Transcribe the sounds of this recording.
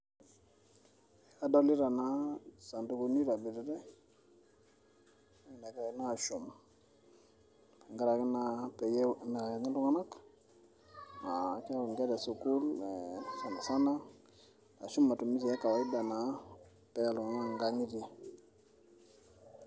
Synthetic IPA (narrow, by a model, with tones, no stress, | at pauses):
a˨do˦li˦ɾa˨na˦sa˨ndu˨˦ɡu˨ni˦ɾa˨bi˨ɾi˦ɾɛ˦ | ŋ˨na˨ka˨i˦na˦˨ʃu˨m˨ | ŋɡa˦ɾa˨ki˦napɛ˨jna˨ŋa˦lu˦ŋa˦na˦k | ma˨kɛ˦u˨ŋɡe˦de˨su˨ku˦lɛsa˨nda˨sa˦na˦ | a˨ʃu˦mːa˨tu˨mi˦s̬i˨ja˦ka˨wa˨˦i˦da˨na˨ | pɛ˦ja˨lu˨ŋa˨ŋa˦ŋɡa˦ŋi˦di˦˨